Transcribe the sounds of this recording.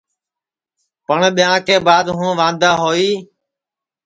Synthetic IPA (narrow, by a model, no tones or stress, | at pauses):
pəɳɓɪjãːkʰeːbaːd̪ɦũːʋãːnd̪aːɦoːiː